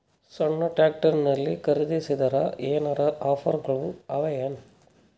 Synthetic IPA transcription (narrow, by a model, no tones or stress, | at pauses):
sɐɳːɐʈaːk̚ʈɐɾnɐlːikɐɾɯðisɪd̪ɐɾa̰ʔeːnɐɾɐʔaːfɐ̰ɾɡɐɭuɐʋɐjɐn